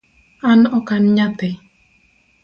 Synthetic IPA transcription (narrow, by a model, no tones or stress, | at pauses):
anɔkanɲat̪ɛ